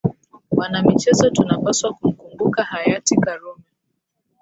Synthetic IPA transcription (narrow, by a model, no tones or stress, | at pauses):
wanamit͡ʃɛzɔtunapaswakum̩kumbukahajatikaɾɔmɛ